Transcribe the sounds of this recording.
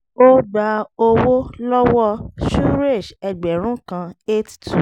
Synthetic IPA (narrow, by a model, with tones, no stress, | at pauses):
o˦ɡ͡ba˧o˧wo˦lɔ˦wɔ˦ʃu˦ɾe˦˨ʃɛ˨ɡ͡bɛ˨ɾ̃ũ˨˦kã˧e˦ttu˨